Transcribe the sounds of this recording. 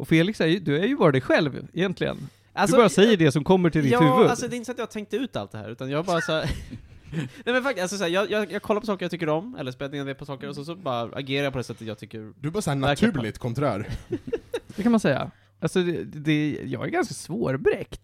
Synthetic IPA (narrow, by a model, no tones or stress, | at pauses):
ʔɔfeːlɪksæɾjɵd̪ɵæɾjɵvɑːɾɪt̪d̪ɛjɧɛlvɪ̰jɛnt̪lɪɡə̰n | ʔalsdɔbɑːɾasɛjːəɖɛsɔmkʰɔmːəʈʰɪld̪ɪhʉvɵd̪als̬ɔd̪ɛɪnəsɔat̪jɑhat̪ʰɛŋk̚t̪əʉ̟ːt̪a̰lt̪̚d̪ɛɦæ̰ɾʉ̟ːt̪anjɑːbɑːɾasɔ | nɛmɛnfakt̪alsɔsæːjɑːjɑːjɑːɡ̚kʰɔlːaɾpʰɔsɑːkəɾjɑt̪ʰʏkːəɾɔmɛ̰lːəʂpɛːlːd̪ned̪ɛpʰɔsɑːkəɾɔsɛns̬ɔbɑːɾaa̰ɡeːɾajɑpʰɔd̪ɛsɛt̪ːət̪jɑːɡt̪ʰʏkːəɾd̪ɵɛbɑːɾsɔæːnavæɾktʰʉ̟ːlɪt̪kʰɔnt̪ʰɾæ̰ːɾ | d̪ɛkʰanmansɛjːa̰ | ʔalsɔɛd̪ɛjɑ̰ːɡæ̰ɾɡanskasvoːɾbɾɛkt̪